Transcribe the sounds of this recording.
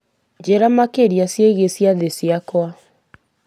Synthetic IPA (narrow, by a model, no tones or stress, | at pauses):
d͡ʑeɾamakeɾjasjeɣesiaðesjakwa